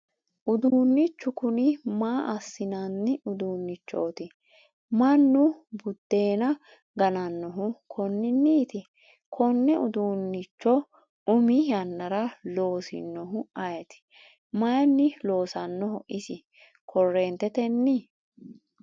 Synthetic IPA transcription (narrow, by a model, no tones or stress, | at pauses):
ʔʊd̪uːnːɪt͡ʃːʊkʊnɪmaːʔɐsːɪnɐnːɪʊd̪uːnːɪt͡ʃːoːt̪ɪ | mɐnːʊbʊd̪̥ːe̞ːnɐ | ɡɐnɐnːɔɦʊkʰɔnːɪnːiːt̪ɪ | kʰɔnːɛʊd̪uːnːɪt͡ʃːɔ | ʊmɪjɐnːɐɾɐlo̞ːsɪ̰nːɔɦʊɐjɐt̪ɪ̥ | mɐjɐnːɪlo̞ːsɐnːɔɦɔʔɪsɪ | kʰɔrːeːnt̪ːɛt̪ɛnːɪ